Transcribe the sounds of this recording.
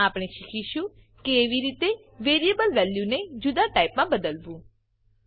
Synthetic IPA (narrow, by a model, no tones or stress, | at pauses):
aːpɽ̃eʃɪkʰiʃũ | keːʋiɾiːt̪e | ʋeːɾijəbəlʋɛːljuned͡ʒʊd̪aʈaːɪpmãbəd̪əlʋũː